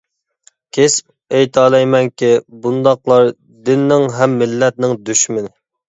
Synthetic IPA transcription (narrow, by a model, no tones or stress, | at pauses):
kʲʰesp̚ | ejt̪ʰɑːlˠɛjmɛnkʲibund̪ɑqlˠɑɾ | d̪ɪnːɪŋɦɛmːɪlːɛt̪̚nɪŋd̪yʃmɪnɪ